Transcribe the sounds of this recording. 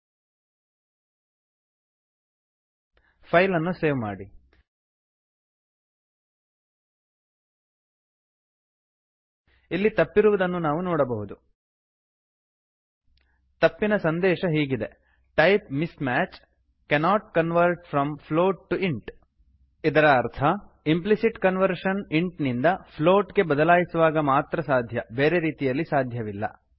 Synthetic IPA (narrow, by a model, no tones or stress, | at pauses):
pʰɐjlɐnːuseːʋma̰ːɽi | ilːit̪ɐpːiɾuʋɐd̪ɐnːunaːʋunoːɽɐbɐɦud̪u | t̪ɐpːinɐsɐnd̪ɛːʃɐɦiːɡid̪e̞ | ʈɐjp̚mismæːt͡ʃ | kɛnaːʈ̚kɐnʋɐɾʈfɾɐmpʰloːʈ̚ʈːuiɳʈ | id̪ɐɾɐːɾt̪ʰɐ | implisiʈkɐnʋɐɾʃɐniɳʈnind̪ɐpʰloːʈɡe̞bɐd̪ɐlaːjisuʋaːɡɐmaːt̪ɾɐsaːd̪ʱjɐbeːɾe̞ɾiːt̪ijɐlːisaːd̪ʱjɐʋilːɐ̰